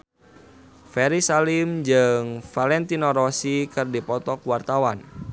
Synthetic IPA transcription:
fɛɾisalimd͡ʒɨŋfalɛnt̪inɔɾɔsikɨrdipɔt̪ɔkuwart̪awan

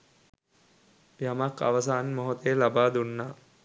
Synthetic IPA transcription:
jamaka̰ʋəsaːnmoɦot̪ejlabaːd̪unːa

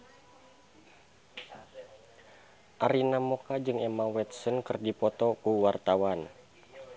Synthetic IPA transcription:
ʔaɾinamokad͡ʒɨŋɛmawɛt̪̚sənkɨrdipɔt̪ɔkuwart̪awan

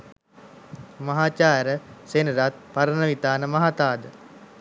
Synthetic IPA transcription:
mɐɦaːt͡ʃaːɾəsenəɾat̪̚paɾənəʋit̪aːnəmɐɦat̪aːd̪ə

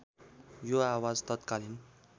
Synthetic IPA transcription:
joawad͡zt̪ʌt̪kalin

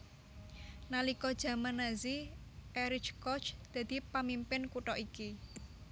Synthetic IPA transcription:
nalikɔd̥ʒ̥ä̤manaziʔɛɾɪt͡ʃkɔt͡ʃd̪̥ä̤d̪̥i̤pamimpɪnkuʈɔʔiki

